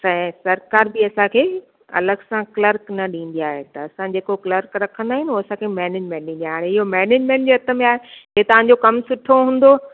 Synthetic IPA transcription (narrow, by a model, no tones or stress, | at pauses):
sɛ̃sɐɾkaːɾbiɐsãkʰeː | ɐ̰ləɡsãklɐɾknɐɗĩːn̆d̪ijaːɦet̪ɐːsãd͡ʑeːkoklɐɾkɾɐkʰə̃nd̪aːɦɪnoːɐsãkʰemɛːneːd͡ʑmẽːɳʈ̚ɗĩnd̪iaːaːɽeɪɦomɛːneːd͡ʑmẽːɳʈd͡ʑeːɐt̪ʰə̆mẽaːɦeɦeːt̪ɐʋ̤ãɲ̆d͡ʑokɐmsʊʈʰoɦũːn̆d̪o